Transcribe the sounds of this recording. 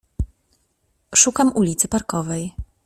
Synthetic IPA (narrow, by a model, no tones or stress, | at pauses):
ʂukamʔulʲit̪sɘpaɾkɔvɛj